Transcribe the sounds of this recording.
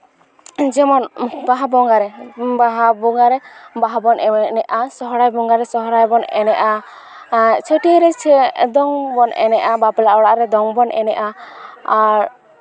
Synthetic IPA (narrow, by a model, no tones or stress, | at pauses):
d͡ʒɛmɔnbaɦabɔŋɡaɾɛbaɦabɔŋɡaɾɛbaɦabɔnʔɛnɛʔasɔɦɔɽajbɔŋɡaɾɛsɔɦɔɾajbɔnɛ̰nɛʔa | t͡ʃʰəʈiɾɛd̪ɔŋbɔnɛ̰nɛʔabapɛlaʔɔɽaʔɾɛd̪ɔŋbɔnʔɛ̰nɛ̰ʔaaɾ